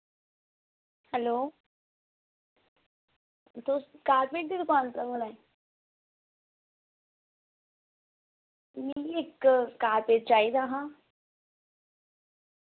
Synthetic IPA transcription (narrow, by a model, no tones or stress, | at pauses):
hɛloː | t̪okaːɾpeːʈ̚d̪id̪ʊkaːnt̪ɾaːbʊlaːi | miɪkːaːɾpeːʈt͡ʃaːid̪aːɦãː